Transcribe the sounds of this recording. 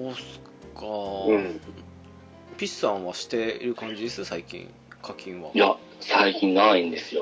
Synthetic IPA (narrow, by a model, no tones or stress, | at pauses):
d̪oːsɨ̥ | kaɯ̃ | pʲisãɰ̃βaɕi̥t̪e̞ɾɯ̟kãɲ̟d͡ʑid̪esɨsaikʲḭ̃ŋ | kʰakʲʰĩɰ̃βaja | saikʲĩnnaĩnd̪e̞sɨjo